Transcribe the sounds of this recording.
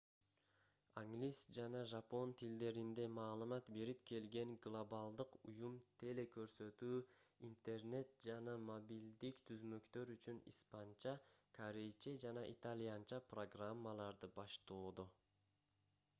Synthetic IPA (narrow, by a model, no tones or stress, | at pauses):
aŋɡlʲisd͡ʒɑnɑʒɑpo̞nt̪ʰild̪e̞ɾind̪e̞mɑːlˠɯmɑt̪be̞ɾipke̞lɡe̞ŋɡlˠobalˠd̪ɯqujumt̪ʰe̞le̞kø̞ɾsø̞t̪yːint̪e̞rne̞t̪̚d͡ʒɑnɑmobild̪ikt̪ʰyzmø̞kt̪ø̞ɾyt͡ʃynḭspant͡ʃɑkʰaɾejt͡ʃed͡ʒɑnɑʔit̪alʲijant͡ʃɑpro̞ɡramːalˠɑɾd̪ɯbɑʃt̪oːd̪o